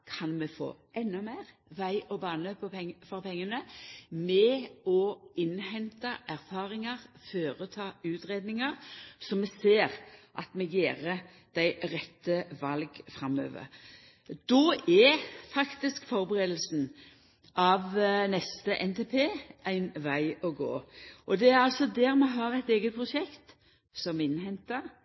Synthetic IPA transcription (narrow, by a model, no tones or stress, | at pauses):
kʰɑnmɛfo̰ːɛnːʉmæɪʁʋæɪʔɔbɑːnəpʰɔfɔɾpɛŋːənəmɛɔɪnhɛnt̪ɑʔæʁfɑːʁɪŋɑʁføːʁət̪ʰɑːʉːt̪ʁeːd̪nɪŋɑʁsɔmːɛseːʁʔɑ̰t̪mɛɡeːʁə | d̪̥æɪʁɛt̪ːəʋɑlɡfɾɑmːø̰ːʋə̰ʁ | d̪̥oːæfɑkt̪ɪskfɔɾbəʁeːd̪l̩sn̩ | ɑʋnɛst̪əʔɛnt̪ʰeːpʰeːʔæɪnʋæɪɔɡo̰ːʔɔd̪ɛæɾɑlsɔd̪æʁmɛɦɑʁæɪt̪eːɡət̪̚pʰʁʊʃɛkt̪ | sɔmɪnhɛnt̪ɑʁ